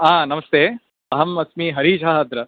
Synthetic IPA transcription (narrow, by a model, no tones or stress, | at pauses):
ãːnɐmɐst̪ʰeː | ɐɦɐmɐsmiːɦɐɾiːd͡ʒʱaːɦɐd̪ɾɐ